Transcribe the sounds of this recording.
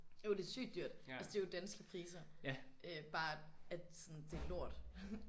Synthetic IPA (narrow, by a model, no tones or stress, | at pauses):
jo̝d̥e̝sy̰ːd̥yɐ̰d̥ælsəd̥e̝jo̝d̥ænsɡ̥əpʰʁiːsɐʔøb̥ɑ̈ːæ̥sɔ̽nd̥e̝ælo̝ɐ̰d̥